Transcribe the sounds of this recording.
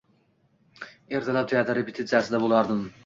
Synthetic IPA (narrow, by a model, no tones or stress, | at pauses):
eɾʰɪlˠɑd̪yjɛd̪æɾɪbit̪ʰɪd͡ʒæɾsɪd̪ɛbolˠɑɾd̪ɯm